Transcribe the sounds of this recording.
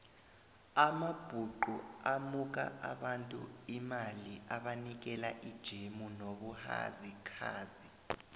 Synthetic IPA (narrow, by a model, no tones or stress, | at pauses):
amab̥ʱuǃuamuk̬a̰ʔaɓantʼṵimaliaɓanik̬ɛlaʔid̥ʒ̥ʱemunoɓuha̰zikʰa̰ːzi